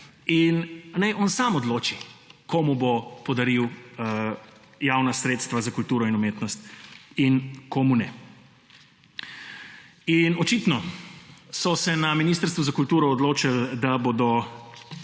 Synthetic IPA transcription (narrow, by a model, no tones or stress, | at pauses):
innajʔɔnsaːmɔd̪loːt͡ʃikoːmubopɔd̪aɾiw | jawnasɾeːt̪st̪ʋazakult̪uːɾɔinumeːt̪nɔst̪inkʰomunɛ | inɔt͡ʃiːt̪nɔ | sɔsɛnaminiːst̪əɾst̪ʋuzakult̪uːɾɔːd̪loːt͡ʃald̪aboːd̪ɔ